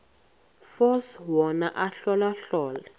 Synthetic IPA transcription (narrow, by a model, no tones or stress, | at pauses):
fɔswɔnaʔaɬɔlaɬɔːla